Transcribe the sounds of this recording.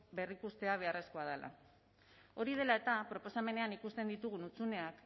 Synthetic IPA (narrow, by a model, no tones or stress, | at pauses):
be̞rikust̪e̞aβ̞e̞are̞sko̞að̞ela̰ | o̞ɾið̞e̞lae̞t̪apɾo̞po̞same̞ne̞anikust̪e̞nd̪it̪uɣ̞unut͡sune̞ak